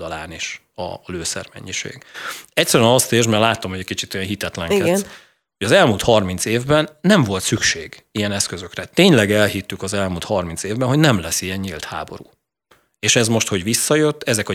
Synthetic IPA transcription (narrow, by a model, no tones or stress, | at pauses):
d̪ɒlaːniʃ | ɒ̰løːsɛ̰rmɛ̰ɲːiʃḛːɡ̥ɛctsɛɾyɛnɒst̪eːrʒmɛrlaːt̪o̞mhoɟɛkit͡ʃit̪ojɛnɦit̪ɛt̪lɛŋɛ | hoɟɒzɛlmuːlt̪hɒrmint̪seːvbɛnːɛɱvo̞lt̪sykʃeːɡijɛnɛskøzø̞krɛt̪eːɲlɛɡɛlɦit̪ːykɒzɛlmult̪hɒrminseːvbɛnɦo̞ɟnɛmlɛsːijɛɲɲilt̪ha̰ːbo̞̰ɾṵː | eːʃɛzmo̞ʃt̪ho̞ɟʋisːɒjøt̪ːɛzɛkɒ